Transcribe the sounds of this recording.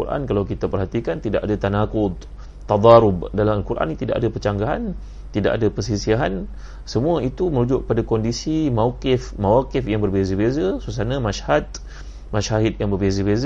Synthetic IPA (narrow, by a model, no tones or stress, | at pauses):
kṵɾʔa̰nkalawkit̪apərɦat̪ikant̪idaʔadat̪anakʊd̪̚ | t̪ːɑd̪ˤɑɾʊbdalaalkuɾʔa̰nit̪ida̰ʔadapət͡ʃaŋɡaɦa̰n | t̪ida̰ʔadapərsisiaɦan | səmũait̪uməɾud͡ʒʊʔk̚əpadakɔndisimawkɪfmawakɪfjaŋbərbezəbezasus̬anãmaʃhat̪ | maʃaɦɪt̪jaŋbərbezəbez